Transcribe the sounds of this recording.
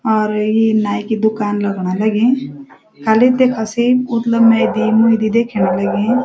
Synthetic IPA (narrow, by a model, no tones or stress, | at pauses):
ɔːɾjinaːjkid̪ʊkaːnlɐɡɳalɐɡẽ | kʰɐlit̪ekʰɐsiːb̚mʊt̪ləbmɛ̃id̪imũid̪id̪eːkʰeñalɐɡẽ